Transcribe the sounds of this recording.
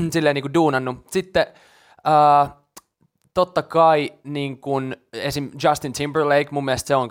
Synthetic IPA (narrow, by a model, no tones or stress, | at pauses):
silːeiniːkuduːnɑnːusit̪ːe | əː | t̪ot̪ːɑkɑiniːŋkunesimd͡ʒɑst̪int̪ʰimbərleikmumːiæst̪seoŋ